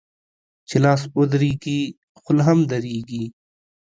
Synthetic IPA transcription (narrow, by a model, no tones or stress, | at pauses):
t͡ɕʰilaːsod̪ɾiːɡiː | xʊlɦɐmd̪ɐɾiːɡiː